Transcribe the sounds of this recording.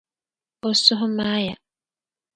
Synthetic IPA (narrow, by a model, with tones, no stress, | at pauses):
o˨sʊ˦ɦʊ˦maː˦ja̰˨